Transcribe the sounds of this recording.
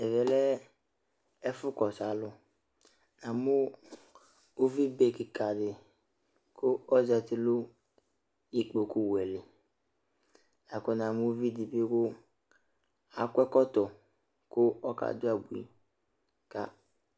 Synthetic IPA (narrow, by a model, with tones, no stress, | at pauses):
ɛ˨vɛ˨lɛ˦ | ɛ˦fʊ˦kɔ˨sa˨˦lʊ˦ | nã˨mʊ˦ | o˦vi˦be˦kɪ˨ka˨dɪ˨ | kʰʊ˦ɔ˦zɛ˨t̪ɪ˨lʊ˦ | i˨k͡po˨ku˦wɛ˨lɪ˨ | a˨kʊ˦nã˨mʊ˦vi˦di˨be˦kʊ˦ | a˨kɛ˦kɔ˦tɔ˨ | kʊ˦ɔ˦ka̰˨dʊ˦a˨bu˨ḭ˨ | ka̰˦